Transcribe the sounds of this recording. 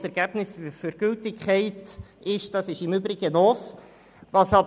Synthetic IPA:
sɛɾɡ̥æb̥nɪsfyɾɡ̥ʏltɪkʰχɛɪtʔɪʃd̥ɑsɪʃɪmʏbɾɪɡ̥ənɔf | vɑshɑ

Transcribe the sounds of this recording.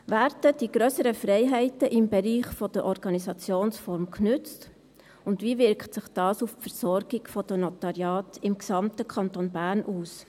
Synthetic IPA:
ʋæːɾd̥əd̥iɡɾøːsəɾəfrɛɪɦɛɪtəʔɪmbɛɾiːχfɔd̥əɾʔɔɾɡ̥ɑnisɑt͡sjoːnsfɔɾmknʏt͡st | ʊndʋivɪɾktsɪχd̥ɑːsuffɛɾsɔrɡɪɡ̥fɔdɔnatɑɾjɑːtɪmksɑmtəkʰχɑntonbæːɾnʔuːs

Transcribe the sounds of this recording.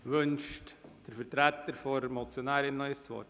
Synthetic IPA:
ʋɵnʃtd̥əɾfəɾtɾæt̪ːəɾfɔɾmɔt͡sjonæːɾɪnːœʏəst͡sʋɔ̰

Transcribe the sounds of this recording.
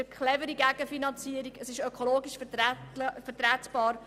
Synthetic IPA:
əkχlɛvəɾiɡæɡ̥əfinɑnt͡siːəɾiɡəsɪʃœkʰoloːɡiʃftfətɾæːtb̥ɑːɾ

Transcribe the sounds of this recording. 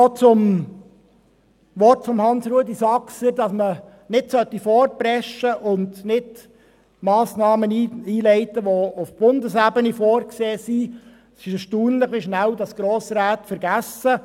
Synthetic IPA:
ot͡sʊm | ʋɔrtfɔmhɑnsɾuədisɑksədɑsmə | nɪdsœtːifɔːr̚pɾɛʃəʔʊndnɪd | mɑːsnɑːməniiːlɛɪt̪əʋoʊfb̥ʊnd̪əsæbənifɔːrkseːsi | sɪʃɛʃtuːnlɪχʋiʃnældɑsɡ̥ɾoːsɾæːt̪fəɾɡæsə

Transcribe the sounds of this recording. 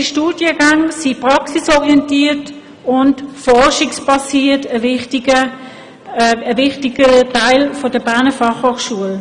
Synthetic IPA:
iʃtuːd̥jəɡaŋsipʁɑksisɔʁiɛntiːɐt | ʊntfɔʁʃɪkspɑsiːɐtəvɪχtiɡə | əvɪχtɪɡətaɪlfodəbæɐnəfɑχhoːχʃuəl

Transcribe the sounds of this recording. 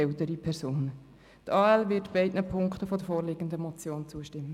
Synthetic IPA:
ɛltəɾipʰɛɾsoːn | tɑːɛlvɪtb̥ɛɪdnəpʰʊŋktəfɔdəfoːɾlɪɡ̥əndəmɔt͡sjoːnt͡suəʃtɪmːə

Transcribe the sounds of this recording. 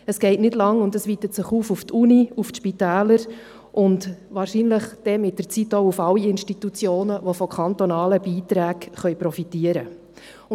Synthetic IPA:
əsɡ̥ɛɪtnɪdlɑŋʊndəsʋiːtətsɪχuːfuftʰuniuftʃpitæːləɾ | ʔʊntʋɑːɾʃiːnləχd̥ɛmɪt̚d̥ərt͡sitːoʊufɑlːiɪnʃtitut͡sjoːnəʋofɔkʰɑnt̪onɑːləb̥iːt̪ɾæːkχœʏpɾɔfitiəɾə | ʊ

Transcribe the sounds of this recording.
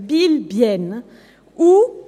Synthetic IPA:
bilbjɛn | u

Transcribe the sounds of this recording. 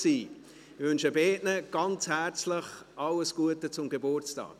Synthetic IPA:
siː | vʏnʃəbeːtnəɡ̥ɑnt͡shæɾt͡slɪχʔɑləsɡ̥uətət͡sʊmɡebʊɾt͡stɑ̰ːk

